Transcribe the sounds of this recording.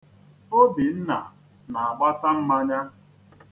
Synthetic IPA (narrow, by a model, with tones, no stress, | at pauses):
o˦bi˨n̩˦na̰˨ | na˨a˨ɡ͡ba˦ta˦m̩˦ma˦ɲa˦